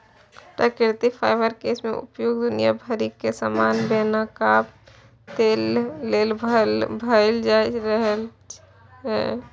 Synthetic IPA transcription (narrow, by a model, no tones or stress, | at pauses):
ʈəkɪɾt̪ipʰaːɪbəɾkeːsmḛ̃ʔʊ̰pjoːɡd̪ʊnija̰bʱəɾikːesaːmaːnbeːnaka | t̪eːlːeːlbʱəld͡ʒaːɾəɦl | ɦɛ̰ː